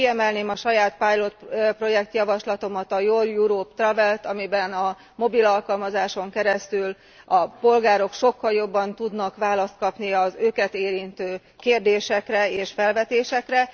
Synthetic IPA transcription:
kiɛmɛlneːmɒʃɒjaːt̪̚pajlo̞t̪pro̞jɛk̚t̪jɒvɒʃlɒt̪o̞mɒt̪ɒjoːljuɾoːpt̪rɒvɛlt̪ɒmibɛnɒ | mo̞bilɒlkɒlmɒzaːʃo̞ŋkɛɾɛst̪yl | ɒpo̞lɡaːɾo̞kʃo̞kːɒljo̞bːɒnt̪ud̪nɒkʋaːlɒst̪̚kɒpniɒzøːkɛt̪eːɾint̪øː | keːrd̪eːʃɛkrɛeːʃfɛlvɛt̪eːʃɛkrɛ

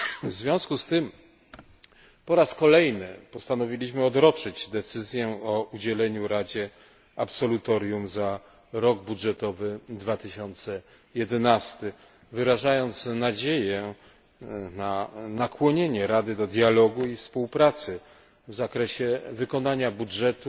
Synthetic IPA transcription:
vzvʲjɔ̃w̃skust̪ɘm | pɔɾaskɔlɛjnɘpɔst̪anɔvʲilʲiɕmɘɔd̪ɾɔt͡ʂɘd͡ʑd̪ɛt̪sɘzʲjɛɔʔud͡ʑɛlɛɲuɾad͡ʑɛ | apsɔlut̪ɔɾʲjumza | ɾɔɡbudʐɛt̪ɔvɘd̪vat̪ɘɕɔnt̪sɛ | jɛd̪ɛnast̪ɘ | vɘɾaʐajɔnt̪snad͡ʑejɛ | nanakwɔɲeɲɛɾad̪ɘd̪ɔd̪ʲjalɔɡuifspuwpɾat̪sɘ | vzakɾɛɕɛvɘkɔnaɲabudʐɛt̪u

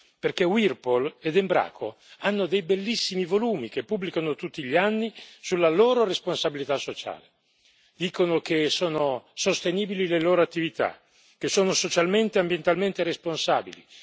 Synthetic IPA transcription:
perkewirpoled̪imbɾa̰ːkʰo̰ | anːod̪ejbelːisːimivoluːmikepːubːlikanot̪ut̪ːiʎanːisulːaloːɾoresponsabilit̪asːot͡ʃa̰ːle | d̪iːkonokesoːnosost̪eniːbilileloːɾoat̪ːivit̪a̰ | k̟esːoːnosot͡ʃalment̪eambjent̪alment̪eɾesponsaːbili

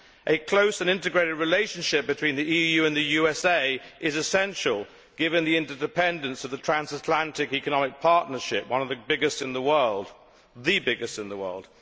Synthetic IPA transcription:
ʔɨkʰl̥oʊsɨ̃nɪ̃ntɨɡɹeɪɾɨd̚ɹɨleɪʃɨ̃nʃɪp̚b̥ɨtʰw̥ĩnðiijʉɨ̃nðɨjʉɛseɪʔɪzɨsɛ̃nʃəl̩ˠ | ɡ̥ɪvɨ̃nðiɪ̃ntə˞dɨpʰɛ̃ndɨ̃nsʌvðɨtʰɹ̥æ̃nzətʰˡlæ̃ntɪkikənɑmɪk̚pʰɑɹʔⁿnə˞ʃɪp̚wʌ̃nʌvðɨbɪɡɨstsɨ̃nðəwɜ˞lˠd̥ | ðɨbɪɡɨstsɨ̃nðəwɜ̰˞lˠd̥

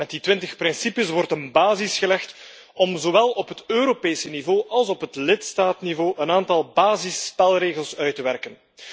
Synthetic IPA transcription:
mɛt̚ditʋɪntəxpɾɪnsipəsʋɔrtənbaːzisxəlɛxt | ɔmzowɛlˠɔpɦətøːɾopeːsənivoːʔɑlˠsɔpɦətlɪtstaːtnivoːʔənaːntɑlˠbaːzɪspɛlˠreːɣəlˠsœɥtəʋɛrkən

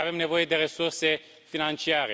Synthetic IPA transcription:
ave̞mne̞vo̞je̞d̪e̞ɾe̞surse̞ | finant͡ʃiaɾe

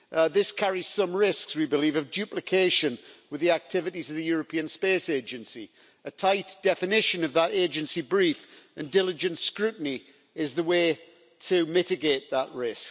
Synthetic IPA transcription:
ðɪskʰaɹiz̥sʌ̃mɹɪskswibɪlivəvdʉplɨkʰeɪʃə̃nwɨðiak̚tʰɪvɨɾizəvðɨjɔɹəpʰĩə̃nspeɪseɪd͡ʒɨ̃nsi | ətʰaɪʔd̥ɛfɨnɪʃə̃nəvðəɾeɪd͡ʒɨ̃nsibɹiˑfə̃ndɪlˠɪd͡ʒɨ̃ntskɹʉˑʔn̩i | ɪzðəweɪ | tʰəmɪtɨɡeɪt̪̚ðəʔɹɪsk

